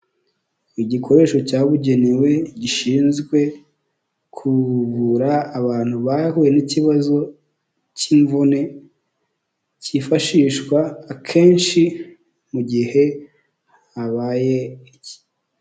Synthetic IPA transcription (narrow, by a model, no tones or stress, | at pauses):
iɟikʰo̞ɾe̞ːʃo̞caːβuɟe̞niwe̞ɟiʃiːnzɡwe̞ | kʰuβuɾaːβaːn̥huβahuje̞niciβazo̞ | ciɱvune̞ | cifaʃiːʃkwaːkʰe̞ːnʃi | muɟihe̞ | aβaːje̞ici̥